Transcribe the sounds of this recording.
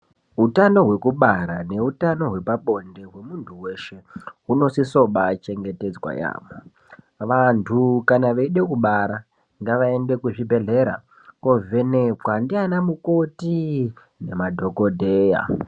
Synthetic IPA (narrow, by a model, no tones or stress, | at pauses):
ɦutano̞ɦwe̞kuɓaɾane̞utano̞ɦwe̞paɓo̞nde̞ɦwe̞muntʰuwe̞ʃe̞ɦuno̞siso̞ɓat͡ʃe̞ŋɡe̞te̞d͡zwa̰ja̰ːʋo | ʋantʰukanaʋeiɗekuɓaɾa | ŋɡaʋaende̞kuʐibʱe̞ɮe̞ɾa̰ | ko̞vʱe̞ne̞pwandianamuko̞ti | ne̞madʱo̞ko̞dʱeːja̰